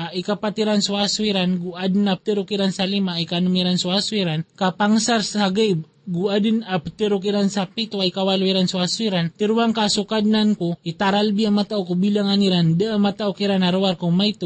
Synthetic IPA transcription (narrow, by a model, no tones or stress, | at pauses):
aʔikapat̪iɾansuasuiɾanɡuad̪nap̚t̪eɾukiɾansalimaikanumiɾansuasuiɾankapaŋsaɾshaɡab | ɡuad̪ɪnapt̪eɾukiɾansapit̪uaikawaluiɾansuasuiɾant̪iɾuaŋkasukad̪̚nankoit̪aɾalbiamat̪aʔokubilaŋaniɾand̪aʔamat̪aokiɾanaɾuwaɾkoŋmajt̪u